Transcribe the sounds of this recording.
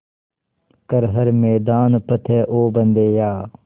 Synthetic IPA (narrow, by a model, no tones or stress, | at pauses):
kəɾɦɐɾmɛːd̪aːnpɐt̪ʰeːʔoːbɐnd̪eːjaː